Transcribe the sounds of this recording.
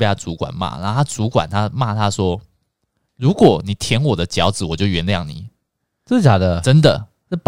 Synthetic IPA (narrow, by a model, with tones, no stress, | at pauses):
ja˥˩t͡su˧˥kwa̰˨˩nma̰˥˩na̰˧˦˥t̪ʰa˥t͡su˧˥kwa̰˨˩nt̪ʰa˥ma˥˧t̪ʰa˥ʂwɔ˥ | ɻu˧˥kwɔ˨˩ni˨˩t̪ʰjɛ˧˥nwɔ˨˩d̪ə˦t͡ɕjɑ˧˥ʊd͡zɹ̩˨˩wɔ˨˩t͡ɕjo˥˩ʊɥɛ˧˥nljɑ˥˩ŋnḭ˨˩˦ | t͡s̩˥˩t͡ɕja˨˩d̪ə˧ʈ͡ʂə˦˥nd̪ə˨˥˧ | p